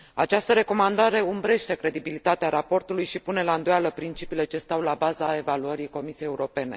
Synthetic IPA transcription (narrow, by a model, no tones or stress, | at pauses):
at͡ʃast̪əɾe̞ko̞mand̪aɾe̞umbɾe̞ʃt̪e̞kɾe̞d̪ibilit̪at̪eaɾapo̞rt̪ulujʃipune̞laɨnd̪ojaləpɾint͡ʃipiːle̞t͡ʃe̞st̪awlabazae̞valuəɾijko̞misijejeuɾo̞pe̞ne̞̰